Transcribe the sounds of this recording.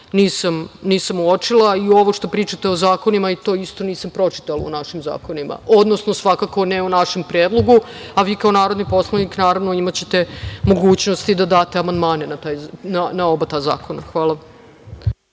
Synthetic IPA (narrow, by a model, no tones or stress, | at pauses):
niːsamniːsamuot͡ʃilˠaio̞ʋoʃt̪o̞pɾiːt͡ʃat̪eozaːko̞nimait̪o̞ist̪o̞niːsampɾo̞t͡ʃi̥t̪alo̰ṵnaʃimza̰ːko̞nimʔa̰od̪no̞snosʋakako̞neunaʃempɾjeːd̪lˠo̞ɡu | aʋiːkao̞naːɾo̞d̪nipo̞slˠaʋniknaːɾaʋno̞imat͡ɕe̞t̪e̞mo̞ɡuːt͡ɕno̞st̪id̪ad̪aːt̪eamand̪maːnenat̪aːjnanaobat̪aːza̰ːkʰo̞naxʋaːlˠa